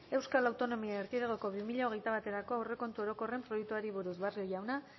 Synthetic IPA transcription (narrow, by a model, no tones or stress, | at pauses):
e̞wskalawt̪o̞no̞miaeɾkiðeɣ̞oko̞βimiʎaoɣe̞jt̪aβat̪e̞ɾako̞awre̞ko̞nt̪uo̞ɾo̞ko̞re̞mpɾojek̚t̪uaɾiβuɾuzβerio̞jawna